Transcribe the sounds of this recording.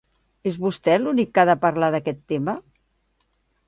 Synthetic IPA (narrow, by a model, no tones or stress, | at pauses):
ezβust̪ɛlunikːaðəpəɾlaðəkɛt̪ːemə